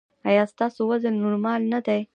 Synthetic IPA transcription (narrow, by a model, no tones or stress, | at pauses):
ajast̪asowɐzəlnuɾmalnət̪aj